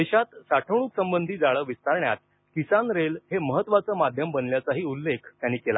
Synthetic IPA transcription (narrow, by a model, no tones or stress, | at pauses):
d̪eɕat̪saʈʰəɽ̃uːksəmbənd̪ʱiːd͡zaɭəːʋist̪aɾɳjat̪̚ | kisanɾelheməɦət̪ːʋat͡səːmad̪ʱjəmbənljat͡saɦiːulːekʰt̪janːiːkela̰